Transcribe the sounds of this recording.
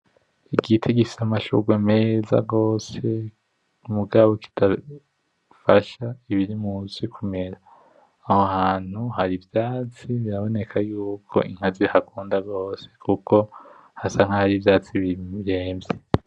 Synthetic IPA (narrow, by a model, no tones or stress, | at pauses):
iɡitʰeɡifi̥samaʃṵɡwemeːza̰ɡo̞ːse | muɡaβo̞ki̥tʰa | faʃaiβiɾimuzikʰume̞ɾaː | hohaːn̥huhaɾivjaːt͡siβiɾaβo̞ne̞kʰajuːkʰo̞̰ʔiŋ̥hazihakuːndaɡo̞ːse̞̥kʰukʰo̞ | hasaŋhahaɾivjaːt͡siβiɾe̞ːmbje